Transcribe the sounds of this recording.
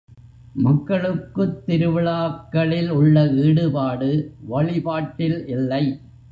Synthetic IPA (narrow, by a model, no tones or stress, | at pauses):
mɐkːɐɭɯkːɯt̪ːɪɾɯʋɐɭaːkːɐɭɪlʊɭːɐʋiːɽɯpaːɽɯʋɐɭɪpaːʈːɪlʔɪlːɐɪ